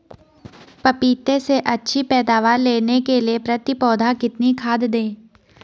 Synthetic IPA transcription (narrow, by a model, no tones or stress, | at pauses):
pɐpiːt̪eseʔɐtːʃʰipɛːd̪aːʋaːɾleːnekeliepɾɐt̪ɪpɔːd̪ʱakɪt̪nikʰaːd̪d̪ẽː